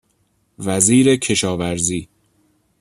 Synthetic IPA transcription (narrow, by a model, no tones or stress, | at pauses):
væziːɾe̞cʰe̞ʃɒːvæɾziː